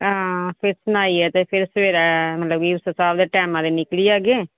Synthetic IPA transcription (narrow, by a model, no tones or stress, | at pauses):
ãːpʰɪɾsʊnaːiɛt̪epʰɪɾsʋeːɾɛmɐt̪ləbiʋsɔ̃saːʋd̪əʈɛːmad̪enɪkɽiaːɡeː